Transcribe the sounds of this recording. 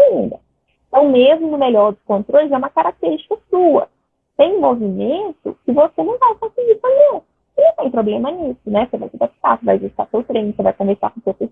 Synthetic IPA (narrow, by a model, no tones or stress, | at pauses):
aĩnd̪ɐ | ẽt̪ɐ̃w̃mezmʊnʊmeʎɔɾd̪ʊskõnt̪ɾolʊzɛũmɐkaɾak̚t̪eɾist͡ʃi̥kɐsuɐ̰ | t̪ẽj̃movimẽnt̪ʊ̰kɪvosenɐ̃w̃vajfasid͡ʒisoʎa | nɐ̃w̃t̪ẽj̃pɾoblẽmɐnisʊnɛsevajsed̪api̥t̪a̰seva̰jvest̪asewt̪ɾẽj̃nsevajkõveɾsa̰kõsewpes